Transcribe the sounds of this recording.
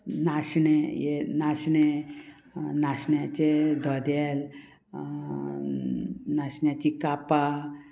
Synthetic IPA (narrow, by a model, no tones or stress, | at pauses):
naɕɳejenaɕɳe | naɕɳjat͡ɕed̪ʱɔd̪el | naɕɳjat͡ɕikapa